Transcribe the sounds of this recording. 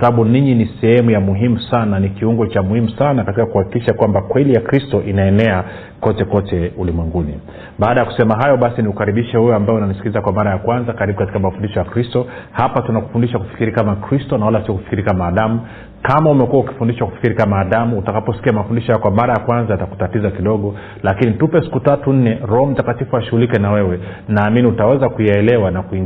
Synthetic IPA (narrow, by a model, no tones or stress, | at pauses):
saɓuniɲinisɛhɛmujamuɦimusananikiuŋɡɔt͡ʃamuhimusanakatikakuhaki̥kiʃakwambakwɛlijakɾistɔʔinaɛnɛa | kɔtɛkɔtɛulimwɛŋɡuni | ɓaːɗajaku̥sɛmaɦajɔɓasiniukaɾiɓiʃɛhujɔambajɛunanisi̥kizakwamaɾajakwanzakaɾiɓukati̥kamafundiʃɔjakɾistɔhapatunaku̥fundiʃaku̥fi̥kiɾikamakɾistɔnawalasiɔku̥fi̥kiɾikamaːɗamu | kamaumɛkuauki̥fundiʃaku̥fi̥kiɾikamaːɗamuːtakapɔsi̥kiamafundiʃɔjakwamaɾajakwanzajataku̥tatizakiɗɔɠɔ | lakinitupɛsi̥kutatun̩nɛɾɔɔm̩takatifuaʃuɣulikɛnawɛwɛ | naːminiutawɛzakujaɛlɛwanakuiŋ